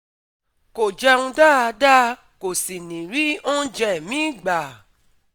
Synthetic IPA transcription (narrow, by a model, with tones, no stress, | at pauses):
ko˨d͡ʒɛ˧ũ˧da˦˨a˧da˦ | ko˨si˨nĩ˨ɾi˨˦õ˦d͡ʒɛ˦˨mĩ˨˦˨ɡ͡ba˨